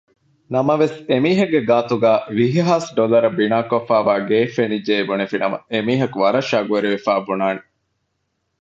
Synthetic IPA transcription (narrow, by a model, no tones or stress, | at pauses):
nɐmɐʋesemiːɦɐɡeɡaːt̪uɡæːʋiɦiɦaːsɖolɐɾɐbinaːkofæːʋaːɡeːfenid͡ʒeːbunefinɐmɐ̰emiːɦɐkuʋɐɾɐʃaːɡuʋeɾiʋefæːbunaːne